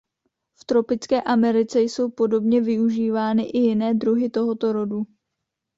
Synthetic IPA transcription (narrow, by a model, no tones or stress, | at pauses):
ft̪ɾo̞pɪt͡skɛːʔamɛɾɪt͡sɛjso̞wpo̞do̞bɲɛvɪuʒiːvaːnɪʔɪjɪnɛːd̪ɾuɦɪt̪o̞ɦo̞t̪o̞ɾo̞du